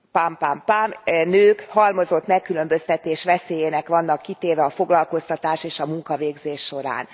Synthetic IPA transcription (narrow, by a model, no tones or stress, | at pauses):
pampampamnøːkhɒlmo̞zo̞t̪mɛkːylø̞mbø̞st̪ɛt̪eːʃʋɛseːjeːnɛkʋɒnːɒkːit̪eːvɛɒfo̞ɡlɒlko̞st̪ɒt̪aːʃeːʃɒmuŋkɒveːɡzeːʃːo̞ɾa̰ːn